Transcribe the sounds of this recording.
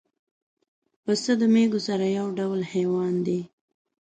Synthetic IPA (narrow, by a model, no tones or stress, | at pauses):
pəsəd̪əmeɡosaɾajawɖawlhewɑnd̪e